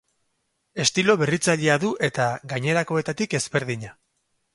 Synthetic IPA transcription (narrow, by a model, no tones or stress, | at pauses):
e̞st̪ilo̞βe̞rit͡saʎeaðuʔe̞t̪aɡajɲe̞ɾako̞e̞t̪at̪ike̞zβe̞ɾðiɲa